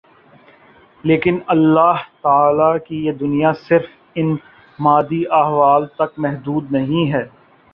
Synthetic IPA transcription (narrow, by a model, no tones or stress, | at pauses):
leːkɪnɐlːaːɦt̪aaːlakijed̪ʊnijasɪɾf | ɪn | maːd̪iʔaːɦʋaːlt̪ɐkmɛɦd̪uːd̪nɐɦĩɦɛː